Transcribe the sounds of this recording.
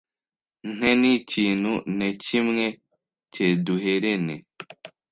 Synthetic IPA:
ŋ̥eniciːnhunecimŋe | ceːduɦeɾene

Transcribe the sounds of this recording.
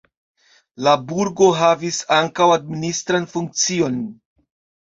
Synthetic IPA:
labuɾɡo̞ɦavisaŋkawad̚ministɾanfuŋk̚t͡sio̞n

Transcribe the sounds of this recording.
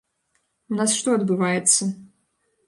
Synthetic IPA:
unasʂt̪ɔɐd̪bɨvajɛt̪sːɐ

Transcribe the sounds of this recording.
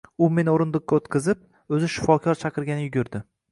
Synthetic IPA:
ʊme̞noɾɪnd̪ɨq̚kʲaot̪kʲɨzɪp̚ | ɵzɪʃɪ̥fɒkʲʰɒɾt͡ʃʰɑqɨɾɡʲanɪjʊɡʲʊɾd̪ɪ

